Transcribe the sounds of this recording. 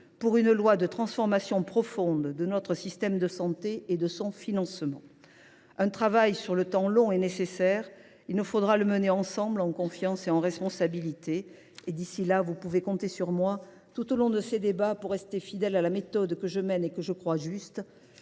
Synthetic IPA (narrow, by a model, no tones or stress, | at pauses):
puʁynlwad̪ət̪χɑ̃sfɔʁmasjɔ̃pχɔfɔ̃d̪d̪ənɔt̪χəsist̪ɛmd̪əsɑ̃t̪eed̪əsɔ̃finɑ̃smɑ̰̃ | ɛ̃t̪χavajsyʁlət̪ɑ̃lɔ̃enesesɛʁ | ilnəfod̪ʁaləməneɑ̃sɑ̃blɑ̃kɔ̃fjɑ̃seɑ̃ʁɛspɔ̃sabilit̪eː | d̪isilavupuvekɔ̃t̪esyʁmwa | t̪ut̪olɔ̃d̪əsed̪ebapuʁːɛst̪efid̪ɛlalamet̪ɔd̪kəʒəmɛnekəʒəkχwaʒyst̪